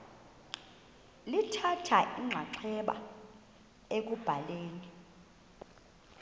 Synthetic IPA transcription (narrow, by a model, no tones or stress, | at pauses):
litʰatʰaʔiŋ͡ǁʱaǀʰɛɓa̰ | ek̬ub̥ʱaleːni